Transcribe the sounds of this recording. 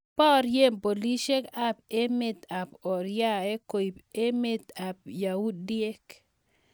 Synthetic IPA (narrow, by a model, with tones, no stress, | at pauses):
pɔ˦ɾje˦˨mpo˨li˦ʃe˦ka˦pe˦me˨t̪a˨pɔ˨ɾja˦e˦ko˨i˨pe˦me˦t̪a˨p̚ja˨wu˦dje˦k